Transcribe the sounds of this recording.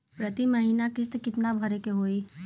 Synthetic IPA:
pɾət̪iməɦiːnakɪst̪kɪt̪nabʱəɾekeɦoːi

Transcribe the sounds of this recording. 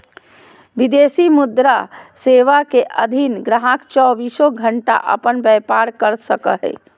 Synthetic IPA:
ʋid̪eːsimʊd̪ɾaseːʋakeʔəd̪ʱinɡɾaɦakt͡ʃɔːbisoɡʱəɳʈa̰ʔə̰pənbɛpaɾkəɾsəkəɦɛ̰

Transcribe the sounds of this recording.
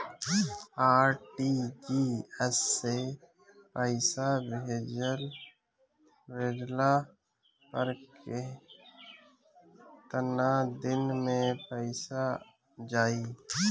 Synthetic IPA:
aːɾʈid͡ʒiɛsːe | pəɪsabeːd͡ʒəl | ʋeːd̪la | pəɾkʰe | t̪ənad̪ɪnmẽpəɪsa | d͡ʒaːi

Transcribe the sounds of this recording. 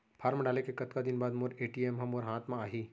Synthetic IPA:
pʰaːɾməɖaːlekekɐt̪kad̪ɪnbaːd̪moɾeːʈiːemɦɐ̃moːɾɦãːt̪ʰmãaːɦiː

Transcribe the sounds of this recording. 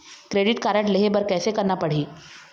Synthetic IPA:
kɾeːɖɪʈkaːɾəʈleɦebɐɾkɛːsekɐɾnapɐɽ̤iː

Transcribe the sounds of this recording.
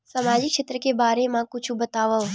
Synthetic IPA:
samad͡ʒikʃet̪ɾəkebaːɾemãkʊt͡ʃʰũbət̪aʋə

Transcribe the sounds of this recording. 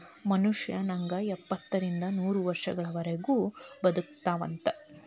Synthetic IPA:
mɐnuʂjɐnɐŋɡɐɛpːɐt̪ːɐɾind̪ɐnuːɾuʋɐɾʂɐ̰ɡɐɭɐʋɐɾeɡuːbɐd̪uk̚t̪aːʋɐ̰nt̪ɐ

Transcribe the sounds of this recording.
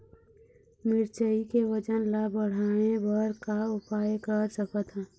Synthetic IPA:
mɪɾt͡ʃəikewəd͡ʒənlabəɽ̤anebəɾkaʊpaːjkəɾsəkət̪ɦɛ̃ː

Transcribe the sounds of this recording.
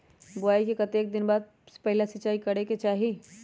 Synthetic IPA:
bʊaːikekɐt̪eːk̚d̪ɪnbaːd̪̚ | pɛɦɪlasɪt͡ʃaːikɐɽeket͡ʃaːɦi

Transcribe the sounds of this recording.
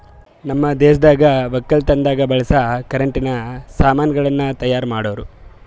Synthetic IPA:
nɐmːɐd̪eːʃɐd̪aːɡɐʋɐkːɐlt̪ɐnd̪aːɡɐbɐɭɐsɐkɐɾɐɳʈinɐsaːmaːnjɐɡɐɭɐnːɐt̪ɐjaːɾmaːɽoʋɐɾu

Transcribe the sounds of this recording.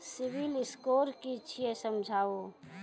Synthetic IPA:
sɪʋilɪskoːɾkit͡ʃʰiesəmd͡ʒʱaːo

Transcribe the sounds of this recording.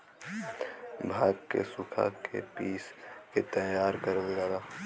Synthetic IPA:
bʱaːɡkḛsʊkʰa̰kʰḛpiːsket̪əjaːɾkəɾəld͡ʒaːdaː

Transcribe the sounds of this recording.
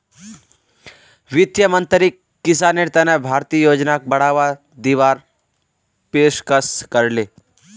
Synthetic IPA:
ʋɪt̪jəmənt̪ɾikːɪsaːneɾt̪ənebʱaːɾt̪iːjoːd͡ʒnak̚bɐɽ̤aːʋa | d̪iːʋaːɾ | peːʃkəskəɾleː

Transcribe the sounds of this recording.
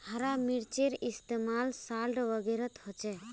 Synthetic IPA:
haɾamiɽt͡ʃeɾist̪emalsalɖʋəɡeɾət̪hɔt͡ʃɛ

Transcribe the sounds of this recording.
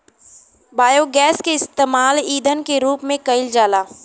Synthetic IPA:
baːjoːɡɛːskeɪst̪eːmaːliːd̪ʱənkeɾuːpmẽkɐɪld͡ʒaːlaː

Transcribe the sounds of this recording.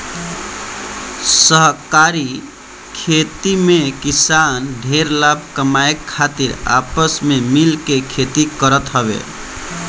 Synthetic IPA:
səɦkaɾi | kʰet̪imekisanɖʱeɾlab̚ʱkəmaekʰːat̪iɾa̰pəsmemilkekʰet̪ikəɾət̪ɦəβḛ

